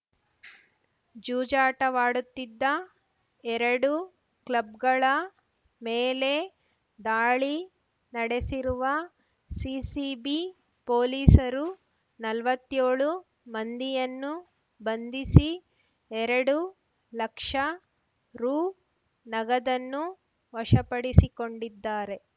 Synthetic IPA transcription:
d͡ʒuːd͡ʒaːʈɐʋaːɽut̪ːid̪ːɐ | ɛɾɐɽu | klɐb̚ɡɐɭɐ | meːle̞ | d̪aːɭi | nɐɽesiɾuʋɐ | siːsibi | poːliːsɐɾu | nɐlʋɐt̪ːjoːɭu | mɐnd̪ijɐnːu | bɐnd̪isi | ɛɾɐɽu | lɐkʂɐ | ɾuː | nɐɡɐd̪ɐnːu | ʋɐʂɐpɐɽisiko̞ɳɖid̪ːaːɾe̞

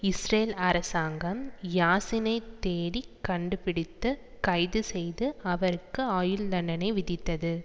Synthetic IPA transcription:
ɪsɾeːlɐɾɐsaːŋɡɐmjaːsɪnɐɪt̪ːeːɾikːɐɳɖɯpɪɽɪt̪ːɯ | kɐɪðɯsɛjðɯɐʋɐɾɯkːɯaːjɯlːɐɳɐnɐɪʋɪðɪt̪ːɐðɯ

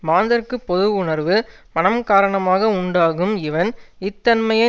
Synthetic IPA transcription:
maːnd̪ɐɾkːɯpːɔðɯʋʊɳɐɾʋɯ | mɐnɐmkaːɾɐɳɐmaːɣɐʊɳɖaːɣɯmɪʋɐnɪt̪ːɐnmɐjɐ

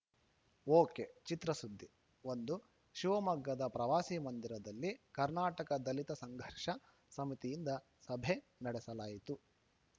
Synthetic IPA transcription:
oːket͡ʃit̪ɾɐsud̪ʱːi | o̞nd̪u | ʃiʋɐmɐɡːɐd̪ɐpɾɐʋaːsimɐnd̪iɾɐd̪ɐlːikɐɾnaːʈɐkɐd̪ɐlit̪ɐsɐŋɡʱɐɾʂɐ | sɐmit̪ijind̪ɐ | sɐbʱenɐɽɛsɐlaːjit̪u

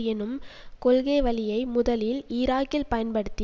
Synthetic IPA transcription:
ɛnɯmkɔlɣeːʋɐlɪjɐɪmʊðɐlɪlɪːɾaːkɪlpɐjɐnpɐɽɯt̪ːɪ

